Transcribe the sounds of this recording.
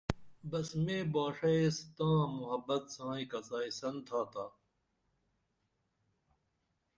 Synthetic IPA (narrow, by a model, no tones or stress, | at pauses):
bɐsmẽːbaːʂɐest̪ãːmuɦɐbɐt̪sãːikɐzaːisɐnt̪ʰaːt̪aː